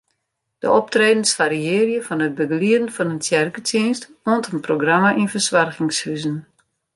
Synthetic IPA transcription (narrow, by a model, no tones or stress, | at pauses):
d̥ə̰ʔɔp̚treːdn̩sfaɾiɪːərjəfɔnət̚bəɡliədən̩fɔnənsjɛrkətʰinstoəntənproɡramaʔinfəsʋarɣɪŋshyzən